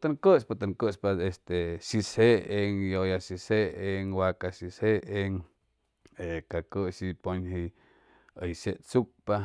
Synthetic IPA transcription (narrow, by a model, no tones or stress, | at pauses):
t̪əŋkəspat̪əŋkəʔspaest̪eʃisheeŋjojaʃiseeŋwakaʃisheeŋ | ekakəʃiponhi | əjseʔt͡suk̚pa